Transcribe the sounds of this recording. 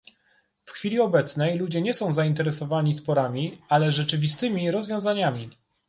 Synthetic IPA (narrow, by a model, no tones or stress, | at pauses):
fxfʲilʲiɔbɛt̪snɛjlud͡ʑɛɲɛsɔ̃w̃zaint̪ɛɾɛsɔvaɲispɔɾamʲialɛʐɛt͡ʂɘvʲist̪ɘmʲiɾɔzvʲjɔ̃w̃zaɲamʲi